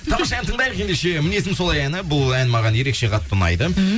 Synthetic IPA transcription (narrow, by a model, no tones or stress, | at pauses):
t̪ʰɑmmɑʃɑnt̪ʰəɴd̪ɑjəqe̞nd̪eʃe̞mɪne̞s̬ɪnso̞lˠɑjænɪbʊlˠænmɑʁɑnje̞ɾe̞kʃe̞qʰɑt̪ːʊnɑ̰jd̪ə